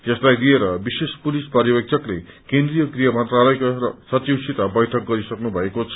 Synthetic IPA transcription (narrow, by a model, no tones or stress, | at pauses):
d͡zʌslajd̪ieɾʌbisespulispʌɾjʌbʌk̚t͡sʰʌklekend̪rijʌkrijʌmʌnt̪ralʌjkorʌsʌt͡siwsit̪abʌjʈʰʌk̚ɡʌɾisʌknubʱʌekot͡sʰʌ